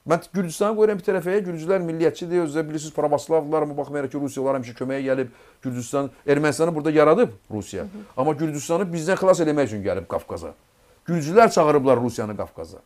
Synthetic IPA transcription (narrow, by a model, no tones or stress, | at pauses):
mænɟyɾd͡ʒyst̪ɑnɯɡo̞jɾɑmbit̪ʰæɾæfæjæɟyɾd͡ʒylæɾmilːijæt̪̚t͡ʃʰid̪iøzd̪æbiliɾs̬iz̥pʰɾɑbɑslˠɑvd̪ɯlˠɑɾɑmɑbɑχmɑjɑɾɑχcʰiɾusijɑlˠɑɾhæmiʃ̬ɛcʰømæjæɟælib | ɟyɾd͡ʒ̪yst̪ɑne̞ɾmænst̪ɑnɯbuɾd̪ɑjɑɾɑd̪ɯbɾṵsijɑ̰ɑmɑɟyɾd͡ʒyst̪ɑnɯbizd̪ænxilˠɑs̬e̞læmæjyt͡ʃʰynɟæ̰lib̚ɡɑ̰fkʰɑ̰zɯ̰ | ɟyɾd͡ʒylæɾt͡ʃʰɑɣɯɾɯblˠɑɾɾusijɑnɯɡɑ̰fkʰɑ̰zɯ̰